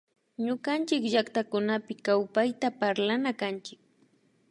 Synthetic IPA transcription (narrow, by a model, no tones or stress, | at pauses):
ɲʊɢant͡ʃɪkʒakt̪akʊnapɪkawpajt̪apaɾlanakant͡ʃɪk̚